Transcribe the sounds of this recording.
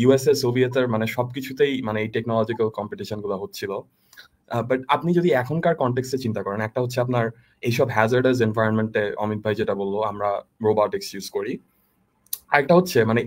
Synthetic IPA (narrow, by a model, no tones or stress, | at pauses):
jueseɾsobʱiet̪eɾmaneʃɔbkit͡ɕʰut̪ejmaneejʈeknɔlɔd͡ʑikalkɔmpiʈiʃonɡulaɦotːt͡ɕʰilo | baʈapnid͡ʑod̪iɛkʰonkaɾkɔɳʈeksʈet͡ɕint̪akɔɾenɛk̚ʈaɦotːɕʰeapnaɾ | ejʃɔbɦɛzaɾɖez̬envʱajɾonmeɳʈeɔ̰mit̪̚bʱajd͡ʑeʈabolːoamɾaɾobɔʈiksjuzkoɾi | aɾɛk̚ʈaɦotːɕʰemane